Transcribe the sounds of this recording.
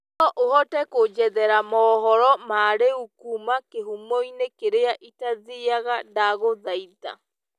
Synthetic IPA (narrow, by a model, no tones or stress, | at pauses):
nɔʔohɔtɛkod͡ʒɛðɛɾamɔːɦɔɾɔmaːɾeukumakeɦumoinekeɾeaʔitaðiaɣadaɣoðaita̰